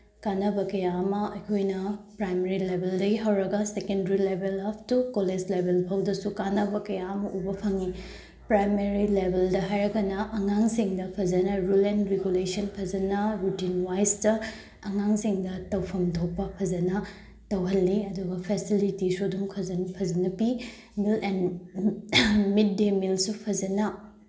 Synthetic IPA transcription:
kanɐbɐkɐjamɐɐjkʰojnɐpɾajmeɾilebʱeldɐɡiɦɐwɾɐɡɐsekendɾilebʱelap̚ʰtukoled͡ʒlebʱelpʰɐwdɐsukanɐbɐkɐjaɐmɐʔubɐpʰɐŋi | pɾajmeɾilebʱeldɐɦajɾɐɡɐnɐʔɐŋaŋsiŋdɐpʰɐzɐnɐɾulenɾeɡulesɐnpʰɐzɐnɐɾutinwajsdɐ | ɐŋaŋsiŋdɐtɐwpʰɐmtʰopːɐpʰɐd͡ʒɐnɐ | tɐwɦɐlːiɐduɡɐpʰesilitisudumpʰɐzɐnpʰɐzɐnɐpi | milen | mid̚ːemilsupʰɐzɐnɐ

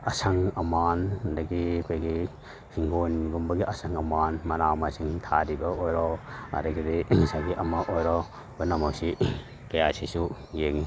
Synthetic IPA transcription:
ɐsɐŋɐmandɐɡikʰojɡi | hiŋɡonɡumbɐɡiʔɐsɐŋɐmanmɐnamasiŋtʰaɾibɐojɾɔɐ̰ɾɐɡiɾisaɡiʔɐmɐʔojɾɔ | bonɐmawsi | kɐjasisujeŋi

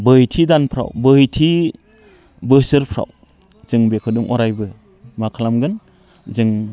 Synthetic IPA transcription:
bɯjtʰidanpʰɾa̰wbɯjtʰi | bɯsɯɾpʰɾa̰w | z̥ɯŋbekʰɯduŋʔɔ̰ɾajbɯ | makʰalamɡɯn | zɯŋ

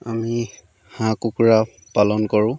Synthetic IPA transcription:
ami | hãkukuɹa | palɔnkɔɹʊ̃

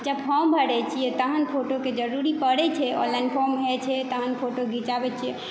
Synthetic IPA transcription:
d͡ʒəbpʰɔmbʱəɽɛt͡ʃʰijɛt̪əɦənpʰoʈoked͡ʒəɾuɾipəɽɛt͡ʃʰɛɔ̰lanpʰɔmɦɛt͡ʃʰɛt̪əɦənpʰoʈoɡʱit͡ʃabɛt͡ʃʰijɛ

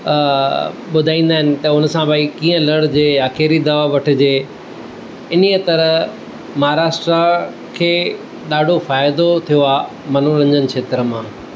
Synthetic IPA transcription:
ɓʊd̪ʱaːĩːnd̪aːɦɪnɪ̆t̪ɐʊnəsãbaikĩːə̃lɐɽ̤d͡ʑeːjaːkeːɾid̪ɐʋaʋɐʈʰɪ̆d͡ʑeː | ɪniət̪ɐɾə | mɐɦaɾaːʃʈɾa | kʰeː | ɗaːɖʱofaːjd̪ot̪ʰijoaː | mɐn̤uɾɐ̃ɲd͡ʑənɪ̆kʰeːt̪ɾəmãː

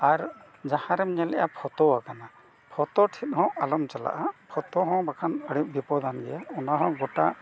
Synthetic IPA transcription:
aɾ | d͡ʒahãɾɛmɲɛlɛja̰pʰɔt̪ɔwakana | pʰɔt̪ɔʈʰit̪̚ˀhɔ̃ʔalɔmt͡ʃala̰ʔapʰɔt̪ɔɦɔ̃bakʰanəɽiʔ̚bipɔd̪ʱanɡɛjaɔnaɦɔ̃ɡɔʈa

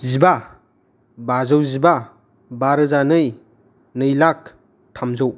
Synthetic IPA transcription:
ziba | bazɯwziba | baɾɯzanɯj | nɯjlak̚ | tʰamzɯw

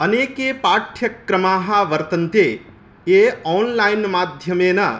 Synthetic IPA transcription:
ənekepaʈʰjəkːɾəmaːɦaʋəɾt̪ənt̪e | eɔnlainmaːd̪ʱjəmena

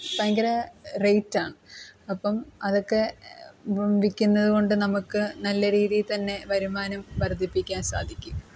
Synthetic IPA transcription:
sɐŋɡɐɾɐrejtːaːɳɨɐpːɐmɐðo̞kːe̞ | ʋikʲːunːɐðuɣo̞ɳɖɨnɐmukːɨnɐlːɐɾiːðijt̪ɐnːe̞ʋɐɾumaːnɐmʋɐrd̪ʱipːikʲːaːnsa̰ːd̪ʱikʲːum

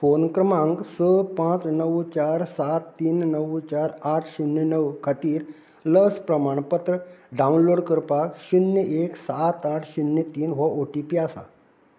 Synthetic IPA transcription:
fonkɾəmãŋɡsəpãt͡snəwt͡ɕaɾsat̪ːiːnnəʋt͡ɕaɾaʈʰɕunjənəwkʰat̪iːɾ | ləspɾəmaɳ̃pət̪ɾəɖaunloɽkəɾpakɕunjəʔeksat̪aʈʰɕunːjət̪iːnɦəʔoʈipiasa̰

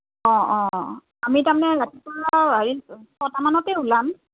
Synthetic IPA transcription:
ɔ̃ɔ̃ | amitamanɛɹatipuɔbaɹisɔtamanɔtɛɦolam

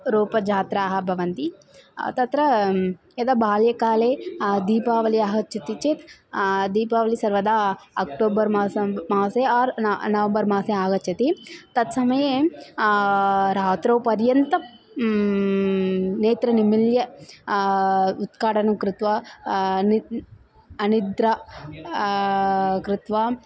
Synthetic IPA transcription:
ɾuːpɐd͡ʒaːt̪ɾaːɦɐbʱɐʋɐnt̪i | t̪ɐt̪ɾɐ | ɐd̪ɐbʱaːljɐkaːleːd̪iːpaːʋɐliaːɡɐt͡ʃɐt̪it͡ʃet̪d̪iːpaːʋɐlisɐɾʋɐd̪aːɐkʈoːbɐɾsmaːseaːɾnɐʋɐmbɐɾmaːseaːɡɐt͡ʃʰɐt̪it̪ɐd̪sɐmɐje | ɾaːt̪ɾɐwpɐɾjɐnt̪ɐ | neːt̪ɾɐnimiljɐ | ut̪kaːʈɐnɐkɾɪt̪ʋɐ | n | ɐnid̪ɾɐ | kɾɪt̪ʋa

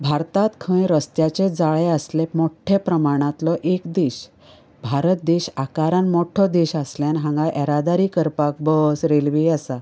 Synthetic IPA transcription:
bʱaɾt̪at̪kʰə̃ɾəst̪jat͡ɕed͡zaɭeəslemoʈʰepɾəmaɽ̃ãt̪lɔʔekd̪eɕ | bʱaɾət̪̚d̪eɕakaɾanmɔʈʰɔd̪eɕasljanɦãŋɡaʔɛɾad̪aɾikəɾpak̚bəsɾelʋiəsa

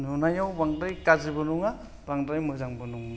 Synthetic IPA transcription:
nunajawbaŋdajkazibɔnuŋa | baŋdajmɯzaŋbɔnuŋa

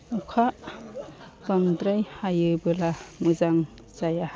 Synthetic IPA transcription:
ukʰaʔ | paŋdɾajhajɯbɯlamuzaŋ | zaja

